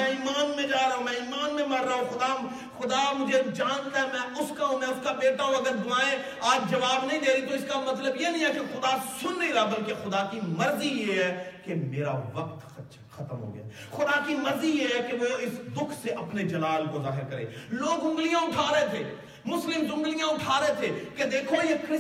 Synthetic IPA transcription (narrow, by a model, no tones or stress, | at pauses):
ɛ̃iːmaːnmẽd͡ʒaːɾaɦũmɛ̃iːmaːnmẽmɐɾːaɦũxʊd̪a | xʊd̪amʊd͡ʒʱed͡ʒaːnt̪aɦɛmɛ̃ːʊskaɦũmɛ̃ʊskabeːʈaɦũɐɡəɾsʊnaːẽ | aːd͡ʒd͡ʒɐʋaːbnɐɦĩd̪eːɾɐit̪oɪskamɐt̪ləbjenɐɦĩɦɛkexʊd̪asʊnɾiɾaːbɐlkexʊd̪akimɐɾzijeɦɛkemeːɾa̰ʋɐq̚t̪ | t͡ʃ | xɐt̪əmɦo̰ːɡja̰ː | xʊd̪akimɐɾzijeɦɛkeʋoɪsd̪ʊkʰseʔɐpned͡ʒɐlaːlkozaːɦɪɾkɐɾḛːloːɡzʊ̃ŋɡlijãʊʈʰaːɾɐɦet̪ʰeː | mʊslɪmzʊ̃mɡlijãʊʈʰaːɾɐɦet̪ʰeked̪eːkʰojekɪ